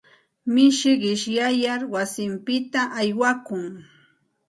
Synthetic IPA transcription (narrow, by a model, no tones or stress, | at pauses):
mɪʃɢɪʃjajaɾwasɪmpɪt̪aʔajwakʊŋ